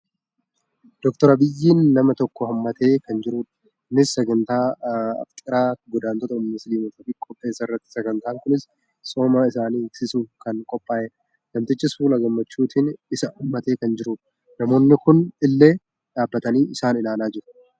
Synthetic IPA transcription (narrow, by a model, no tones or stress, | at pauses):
d̪̥ɔkt̪ɔɾɐbɪjːiːnːɐmɐt̪ɔkːɔhɐmːɐt̪e̞ːkɐnd͡ʒɪɾuːᶑɐ̥ | nɪsːɛɡɐnt̪aːɐ̰ft̪ʼɪɾaːɡɔd̪aːnt̪ɔt̪ɐmːɪsliːmɐt̪ɐfɪkʼɔpʼːe̞ːsːɐɪrːɐt̪ːɪ̥sɛɡɐnt̪aːŋkʊnɪs | so̞ːmɐɪsaːniːɪksɪsuːkɐnkʼɔpʼːaːʔe | ɡɐmt̪ɪt͡ʃːɪsfuːlɐɡɐmːɐt͡ʃːuːt̪ʰɪnɪsɐumːɐt̪e̞ːkɐnd͡ʒɪɾuːᶑɐ̥ | nɐmo̞ːnːɪkʊnɪlːe̞ː | ᶑaːbːɐt̪ɐniːɪsaːnɪlaːnaːd͡ʒɪɾ